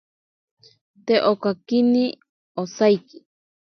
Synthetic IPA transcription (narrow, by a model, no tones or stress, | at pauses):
t̪eʔokakini | osajki̥